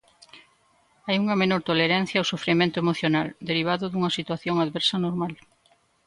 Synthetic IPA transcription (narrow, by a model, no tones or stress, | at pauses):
ajuŋɐmenoɾt̪oleɾan̟θjɐwsofɾimẽnt̪ʊemoθjonald̪eɾiβ̞aðʊðuŋɐsit̪waθjoŋaðβɛɾsɐnoɾmal